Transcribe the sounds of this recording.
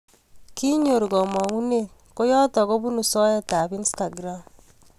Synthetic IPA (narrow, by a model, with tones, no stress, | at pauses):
ki˦ɲo˨ɾɡɔ˨mɔ˨ŋu˦ne˦˨ | ko˦jɔ˦tɔ˨ɣo˦bu˦nu˨sɔ˦jɛ˨ta˨bi˦nsta˨ɡɾa˦m